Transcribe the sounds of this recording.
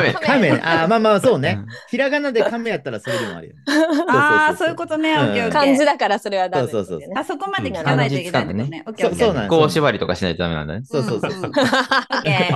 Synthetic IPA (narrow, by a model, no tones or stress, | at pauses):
kamẽʔamaːmaːso̞ːne̞çiɾaɡanad̪e̞kamejat̪ːaɾasoɾed̪imo̰a̰ɾɯ̟̰ooːasosoːjɯkot̪oneõkãnzɨd̪akaɾasoɾeβasoːso̞ːsoːssokomaekãd͡ʑit͡sɨ̥kãnd̪a̰nesoːso̞ːnãj̃oːɕiβaɾʲit̪o̞kaɕinait̪eamenã̰nd̪a̰nsoːo̞ːsoːs